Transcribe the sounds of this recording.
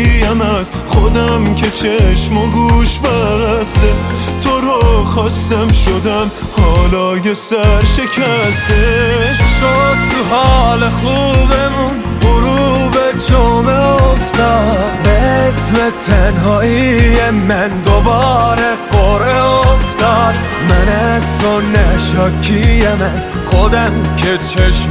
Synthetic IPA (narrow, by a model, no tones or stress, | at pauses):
ijæmæz | χod̪æmkʰet͡ʃʰeʃmoɡuʃbæɣæst̪e | t̪ʰoɾɔχɒst̪æmʃod̪æm | hɒːlɒːjesæɾʃekʰæst̪eʃod̪̚t̪ʰuɦɒːlexubemun | boɾubed͡ʒomeoft̪ɒː | esmet̪ʰænɦɒːijemænd̪obɒːɾeqoɾeoft̪ɒːd̪̥ | mænæzsonːæʃɒːkʰijæmæz̥ | xod̪æmcʰe̞t͡ʃʰeʃ